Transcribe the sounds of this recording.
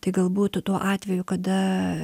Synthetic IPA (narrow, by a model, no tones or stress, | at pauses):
t̪ɐɪɡɐlˠbuːt̪ʊt̪uɔʔɑːt̪ʲʋʲɛjʊkɐd̪ɐ